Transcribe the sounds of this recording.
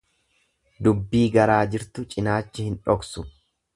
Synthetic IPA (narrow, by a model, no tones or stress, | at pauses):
d̪ʊbːiːɡɐɾaːd͡ʒɪɾt̪ʊt͡ʃʼɪnaːt͡ʃːɪhɪnᶑɔksʊ